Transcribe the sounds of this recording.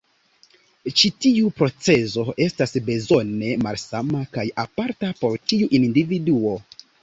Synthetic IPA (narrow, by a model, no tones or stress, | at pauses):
t͡ʃitiupɾo̞t͡se̞zo̞e̞stasbe̞zo̞ne̞malsamakajapaɾtapo̞ɾtiuʔinndividuo̞